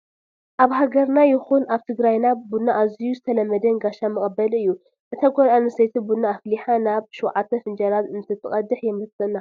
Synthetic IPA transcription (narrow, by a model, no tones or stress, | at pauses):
ʔaβɦaɡɐɾnajɪxunaβt̪ʰɨɡɾajnabunːaʔːzijuzɨt̪ʰɐlɐmːɐd̪ɐnɡaʃamɨχʼɐbɐlɨjːu | ʔɨt̪ʰaɡʷolanɨsejt̪ʰibunːaːfliħanaβʃuwʕat̪ʰːɐfɨnd͡ʒɐɾat̪ɨnt̪ʰɨt̪ʰɨkʼɐd̪ːɨħjɛmɨsɐnːa